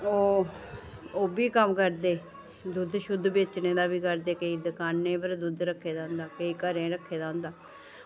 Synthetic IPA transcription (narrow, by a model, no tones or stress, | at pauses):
oː | oːbiːkəmkəɾd̪eː | d̪ʊd̪ʃʊd̪beːt͡ʃneːd̪aːbiːkəɾd̪eːkəiːd̪əkaːnːẽːpəɾd̪ʊd̪ɾəkʰːeːd̪ãːʊnd̪aːkəiːkəɾẽːɾəkʰːeːd̪ãːʊnd̪aː